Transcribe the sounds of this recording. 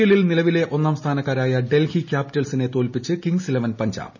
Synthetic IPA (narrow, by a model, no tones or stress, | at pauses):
ulilnilɐʋile̞ʔo̞nːaːmst̪ʰaːnɐkːaːɾaːjɐɖe̞lhikʲjaːpitːɐlsine̞t̪o̞ːlpit͡ɕːɨkiŋɡsilɐʋɐnpɐɲd͡ʑa̰ːb